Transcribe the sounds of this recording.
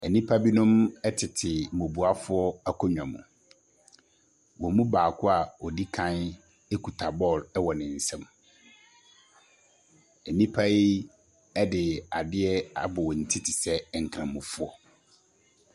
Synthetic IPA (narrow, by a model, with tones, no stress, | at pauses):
ɛ˨nĩ˦pʰa˦bi˦nʊ̃˦mɛ˦tʰɪ˨tʰɪ˨mo˨bu˨a˦fʊ˦ɔ˦a˦kʰɔ˦ɲᶣã˨mṵ̃˨ | wɔ̃˨mũ˦baː˨kʰʊ˦a˨ɔ˨di˦kʰã˦n | e˦kʰu˨tʰa˨bɔ˦˨lɛ˦wɔ˨nɪ̃˨n̩˨sɛ̃˦m | ɛ˨nĩ˦pʰa˦ji˦ | ɛ˦dɪ˨a˨dɪ˦ɛ˦a˦bʊ˨wɔ˨n̩˨tʰɪ˦tʰɪ˨sɛ˦˨ŋ̩˨kʰɾã˨mũ˨fʊ˦ɔ˦